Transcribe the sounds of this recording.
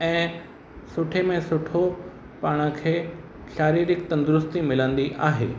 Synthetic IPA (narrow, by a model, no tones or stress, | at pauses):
ɛ̃ː | sʊʈʰemẽsʊʈʰo | paːɽ̃ə̆kʰeː | ʃaːɾiːɾɪkt̪ɐ̃nd̪ʊɾʊst̪imɪlə̃nd̪iʔaːɦḛː